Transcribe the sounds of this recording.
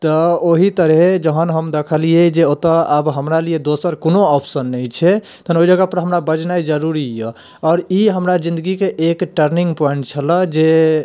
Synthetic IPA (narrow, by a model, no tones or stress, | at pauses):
t̪ɔoɦit̪əɾɦed͡ʒəɦənɦəmd̪ekʰəlied͡ʒeot̪əəbɦəmɾalied̪osəɾkonoɔpʰsənːəjt͡ʃʰɛ | t̪ʰənoɦid͡ʒəɡəpəɾɦəmɾabəd͡ʒnajd͡ʒəɾuɾijə | ɔːɾiɦəmɾad͡ʒĩnd̪əɡikeʔekʈəɾniŋɡpɔjɳʈ̚t͡ʃʰələd͡ʒe